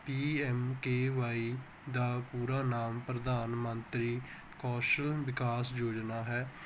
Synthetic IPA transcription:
piːɛːmkeːʋaːiː | d̪aːpuːɾaːnaːmpɾəd̪aːnmənt̪ɾiː | kɔːʃəlʋɪkaːsjoːd͡ʒnaːɦɛː

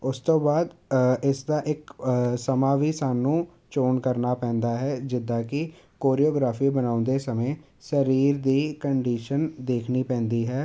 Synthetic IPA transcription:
ʊst̪õːbaːd̪ɪsd̪aːʔɪksəmaːʋiːsaːnũː | t͡ʃoːnkəɾnaːpɛ̃ːnd̪aːɦɛːd͡ʒɪd̪ːaːkɪ | koːɾioːɡɾaːfʰiːbənaːʊnd̪eːsəmẽː | səɾiːɾd̪iːkəɳɖiːʃənd̪eːkʰniːpɛ̃ːnd̪iːɦɛː

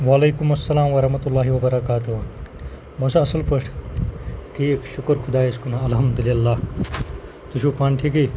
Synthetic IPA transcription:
ʋalejkumɐsːɐlaːmʋɐɾɐɦmɐt̪ulːaːɦiʋɐbɐɾɐkaːt̪u | mɐsɐɐsɐlpɐʂʈʰ | ʈʰiːkʃukɾkʰud̪aːeskunaɐlɦɐmd̪uliɐlːaː | t̪uʃʰupaːnʈʰiːki

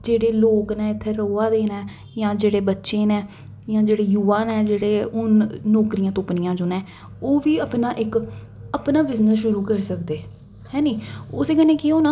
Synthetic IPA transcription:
d͡ʒeːɽeːloːknɛ̃ːɪt̪ʰːeːɾoːaːd̪eːnɛ̃ː | jãːd͡ʒeːɽeːbətːʃẽːnɛ̃ː | jãːd͡ʒeːɽeːjuːʋãːnɛ̃ːd͡ʒeːɽeːʊnːɔːkɾijãːt̪ʊpnijãːd͡ʒoːnɛ̃ː | oːʋiːəpnaːʔɪk | əpnaːbɪznəsʃʊɾuːkəɾsəkd̪eː | hɛ̃ːnĩːʊseːkənẽːkeɦoːnaː

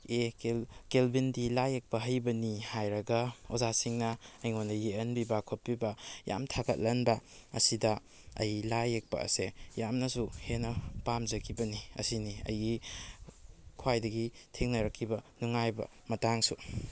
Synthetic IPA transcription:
ekelbindilajek̚pɐɦɐjbɐnihajɾɐɡɐozasiŋnɐɐjŋondɐjeɐnbibakʰoppːibɐja̰mtʰaɡɐt̚lɐnbɐ | ɐ̰sidɐ | ɐ̰jlajek̚pɐ̰ɐ̰sejamnɐsuhenɐpamzɐkʰibɐniɐ̰siniɐ̰jɡi | kʰuwajdɐɡitʰeŋnɐɾɐkʰːibɐnuŋajbɐ̰ | mɐtaŋsu

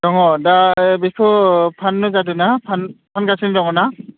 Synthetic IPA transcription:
d̥ɔŋɔdabikʰɔpʰanːʊzadunapʰanpʰanɡasindɔŋɔna

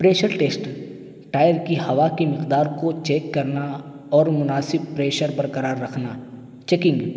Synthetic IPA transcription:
pɾeːʃəɾʈeːsʈ | ʈaːjəɾkihɐʋakimɪqd̪aːɾkot͡ʃeːkːɐɾna | ɔːɾmʊnaːsɪb̚pɾeːʃəɾbɐɾkɐɾaːɾːɐkʰna | t͡ʃɛkɪ̃ŋɡ

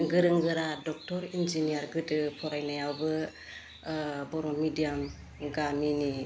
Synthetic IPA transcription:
ɡɯɾɯŋɡɯɾadɔk̚tɔɾind͡ʒinijaɾɡɯdɯpʰɔɾajnajawbɯ | bɔɾɔnmidijam | ɡamini

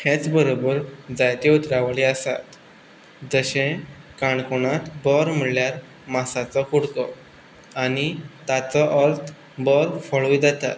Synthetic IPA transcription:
hʰɛ̃t͡sbəɾobəɾd͡zajt̪eut̪ɾaʋaɭiəsa̰t̪ | d͡zəɕẽkaɳkoñat̪bəɾm̤iɽljaɾ | masat͡sɔkuɽkɔ | anit̪at͡sɔʔəɾt̪ʰ | bəɾfəɭujd͡zat̪a̰t̪

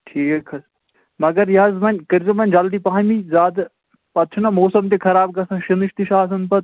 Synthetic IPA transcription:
ʈʰiːkkʰɐs | mɐɡɐɾjɐzmɐnʲkɐɾzɐmɐnʲd͡ʒɐld̪ipɐɦɐmizaːd̪ | pɐt̪t͡ʃʰunɐmoːsɐmt̪ekʰɐɾaːb̚ɡɐsɐ̃ʃiniʃt̪iʃaːs̬ɐnpɐt̪̚

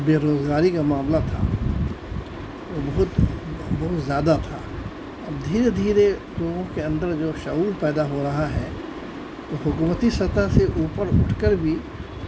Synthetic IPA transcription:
beːɾoːzɡaːɾikamaːmlat̪ʰa̰ | ʋobɐɦʊt̪bɐɦʊt̪zjaːd̪at̪ʰa̰ | ɐbd̪ʱiːɾed̪ʱiːɾe | loːɡõkeɐ̃nd̪əɾd͡ʒoːʃɐuːlpɛːd̪aɦoɾɐɦaɦɛ̰ | oɦʊkuːmət̪isɐt̪aɦseʔuːpəɾʊ̰ʈʰkəɾbʱi

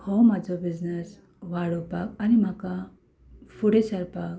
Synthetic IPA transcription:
hɔmad͡zɔbiznes | waɽɔpakanimaka | fʰuɽesaɾpak̚

